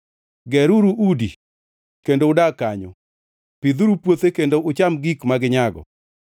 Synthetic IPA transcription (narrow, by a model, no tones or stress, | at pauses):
ɡɛɾuɾuʔudi | kendoʊdakaɲo̰ | pid̪uɾupwot̪ekendoʔʊt͡ʃamɡikmaɡɪɲaɡɔ̰